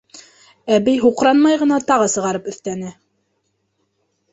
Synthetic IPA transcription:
æbijɦuqɾɑnmɑjʁɤ̆nɑt̪ɑʁɤsɤ̆ʁɑɾɤpɵ̆θt̪ænɘ

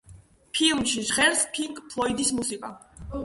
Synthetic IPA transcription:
pʰilˠmʃiʒʁɛɾspʰiŋkʼpʰlˠɔid̪ismusikʼa

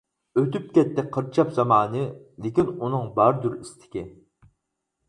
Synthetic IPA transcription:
øt̪yp̚kʲɛt̪ːɛqʰəɾt͡ʃʰɑpzɑmɑːnɨ | lɪkʲinunɨŋbɑɾd̪uɾist̪ʰɪ̥kʲi

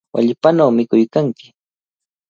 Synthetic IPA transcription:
wa̰ʎɪpanawmɪkʊjkaŋkɪ̥

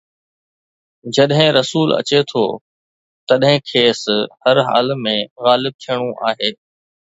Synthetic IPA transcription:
d͡ʑɐɗɦɪ̃ɾɐsuːlɐ̰t͡ɕet̪ʰoː | t̪ɐɗɦɪ̃kʰeːshɐɾɦa̰ːlmẽɣaːlɪb̚t̪ʰijəɽ̃ũʔaːɦeː

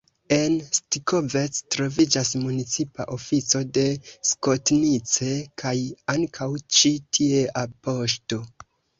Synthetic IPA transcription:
e̞nstikʰovet͡stɾo̞vid͡ʒasmunit͡sipa̰ʔo̞fit͡so̞de̞sko̞tnit͡se̞kʰajaŋkʰawt͡ʃitʰie̞ʔapo̞ʃto̞

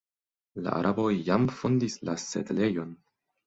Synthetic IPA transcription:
la̰ʔa̰ɾʔabo̞jjamfo̞ndislase̞̰dle̞jo̞n

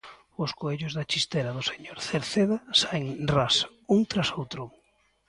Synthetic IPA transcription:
ʊskoeʎʊzðat͡ʃist̪eɾaðʊseɲoɾθeɾθeðasaeŋras | uŋt̪ɾasowt̪ɾʊ

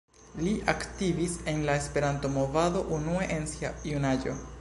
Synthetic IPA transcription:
liʔaktivise̞nlaespe̞ɾanto̞mo̞vado̞ʔunueʔensiajunad͡ʒo̞̰

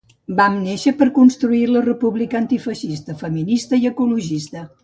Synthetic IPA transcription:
bamneʃəpəɾkunst̪ɾuilərəpuβlikənt̪ifəʃist̪əfəminist̪əiəkuluʒist̪ə

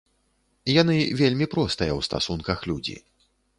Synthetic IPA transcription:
jan̪ɨvʲelʲmʲipɾɔst̪ɨjɐwst̪a̰sunkɐxlʲud͡zʲḭ

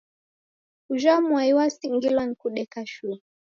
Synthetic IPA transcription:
uʒamwaiwasiŋɡilwan̩kuɗɛkaʃu

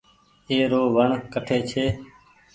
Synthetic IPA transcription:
eːɾoːʋəɳkəʈʰeːt͡ʃʰeː

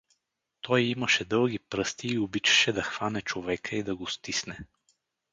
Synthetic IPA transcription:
t̪ɔjiməʃɛd̪ɤlˠɡʲipɾɤst̪iːobit͡ʃɛ̥ʃɛd̪ɐxv̥anɛt͡ʃovɛkəid̪ɐɡost̪isnɛ

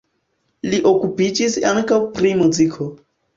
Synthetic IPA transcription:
liʔo̞kupid͡ʒisaŋkawpɾimuzikʰo̞

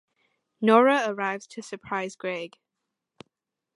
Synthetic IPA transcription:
nɔːɹəəɹaɪvz̥tʰəsəpʰɹ̥aɪzɡɹeɪɡ̥

